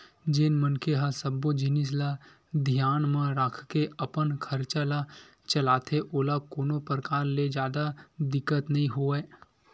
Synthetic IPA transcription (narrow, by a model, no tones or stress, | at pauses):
d͡ʒenmənkeɦasəbːod͡ʒɪnɪs̬la | d̪ʱijaːnmãɾakʰkeəpənkʰəɾt͡ʃala | t͡ʃəlaːt̪ʰeʔoːlakoːnopɾəkaːɾled͡ʒjaːd̪ad̪ɪkːət̪nɐɦĩɦoɛː